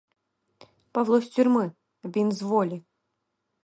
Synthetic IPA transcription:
pɐvlˠɔsʲtʲʏrʲmɨ | bʲinzvɔlʲi

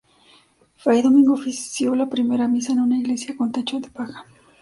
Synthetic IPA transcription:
fɾajðomiŋɡofisjolapɾimeɾamisaenunaiɣle̞sjakont̪et͡ʃod̪e̥paxḁ

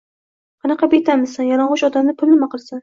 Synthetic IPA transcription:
qʰɑnɑqɑbet̪ʰamɪzsanjɒnɒɴʁʊʃɒd̪amnɪpʰʊlˠnɪmaqɨlˠsan

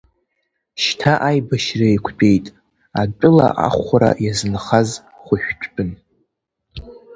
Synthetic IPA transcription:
ʃtʰaʔajbaʃraikʷʰt͡pʼe̞jtʼ | at͡pʷʼʊla̰ʔa̰χʷaɾa̰jaznχaz | χʷʊʃᶣt͡ʃʷʰʼbʼɨn

